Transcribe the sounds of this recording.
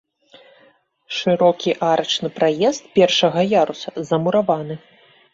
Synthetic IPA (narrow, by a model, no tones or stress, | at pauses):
ʂɨɾɔkʲiʔaɾɐt͡ʂnɨpɾajɛst̪̚pʲɛrʂɐɣɐjaɾusɐzɐmuɾavanɨ